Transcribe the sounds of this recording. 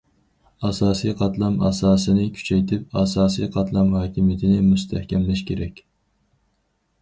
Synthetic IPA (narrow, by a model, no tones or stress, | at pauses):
ɑsɑːsijqʰɑt̪lˠɑmɑ̰sɑːsɨnɨkʲʰy̥t͡ʃʰɛjt̪ʰɪp̚ɑsɑːsijqʰɑt̪ʰlˠɑmhɑːkʲʰimijet̪ʰɪnɪmust̪ʰɛhkʲɛmlɪʃkʲʰeɾɛkʲ